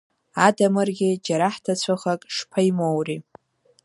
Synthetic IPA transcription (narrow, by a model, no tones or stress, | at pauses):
adamɨrɡʲɪd͡ʒaɾaħtʰat͡ɕʷʰaχakʼʂpʰajmowri